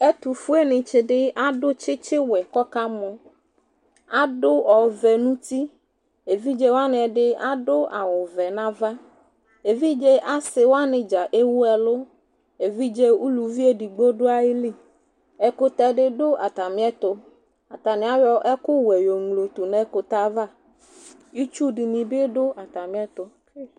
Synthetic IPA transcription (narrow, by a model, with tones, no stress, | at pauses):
ɛ˦t̪u˨fu˦e˦nɪ̃˨t͡ʃɪ˨ɖɪ˦a˦ɖʊ˦t͡ʃɪ˦t͡ʃɪ˦wɛ˨kɔ˦ka˦mɔ̃˨ | a˦ɖʊ˦ɔ˨vɛ˨nũ˦t̪i˦ | e˨vi˦d͡ʒe˦wa˦nɪ̃˨ɛ˨ɖɪ˦a˦ɖʊ˦ʔa˨wʊ˨vɛ˨nã˦va˦ | e˨vi˦d͡ʒe˦ʔa˦sɪ˨wo˦a˦nɪ̃˨d͡ʒa˨ʔe˦wu˦ɛ˨lo˦ | e˨vi˦d͡ʒe˦u˦lu˨vi˦e˦ɖi˨ɡ͡bo˦ɖo˦a˦ji˦li˦ | ɛ˨ko˦t̪a˦ɖɪ˦ɖo˦ʔa˨t̪a˨mĩ˦ɛ˦t̪o˦ | a˨t̪a˨nẽ˨˦a˦jɔ˦ʔɛ˦kʊ˦wɛ˨jo˨ŋlo˨t̪u˨nɛ̃˦ko˨t̪a˦va˦ | ji˦t͡ʃu˦ɖi˨nĩ˨be˦ɖo˦a˨t̪a˨mĩ˦ɛ˦t̪o˦